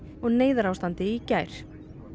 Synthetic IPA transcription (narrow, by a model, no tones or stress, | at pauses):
ɔɣneːjðʏɾawst̪ant̪ɪicaːjɾ̥